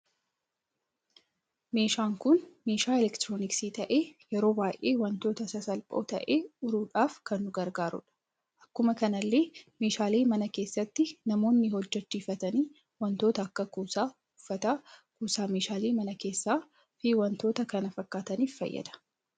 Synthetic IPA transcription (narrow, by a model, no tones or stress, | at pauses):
me̞ːʃaːŋkʊnme̞ːʃaːɪlɛkt̪ɾoːnɪksiːt̪ɐʔe̞ːjɛɾo̞ːbaːjʔe̞ːwɐnt̪o̞ːt̪ɐsɐsɐlpʼo̞̰ːt̪ɐ̰ʔeːʊɾuːᶑaːfkɐnːʊɡɐɾɡaːɾʊ̰ᶑɐ̥ | ʔɐkːʊmɐkɐnɐlːe̞ːme̞ːʃaːleːmɐnɐke̞ːsːɐt̪ːɪnɐmo̞ːnːɪhɔd͡ʒːɛt͡ʃːiːfɐt̪ɐniː | wɐnt̪o̞ːt̪ɐːkːɐkuːsaː | ʊfːɐt̪aːkuːsaːme̞ːʃaːleːmɐnɐke̞ːsːaː | fiwɐnt̪oːt̪ɐkɐnɐfɐkːaːt̪ɐniːffɐ̰jːɐ̰d̪ɐ̥